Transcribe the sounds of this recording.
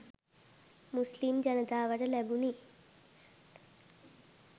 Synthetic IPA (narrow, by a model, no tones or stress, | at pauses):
muslimd͡ʒɐnɐt̪aːʋɐʈɐlebuni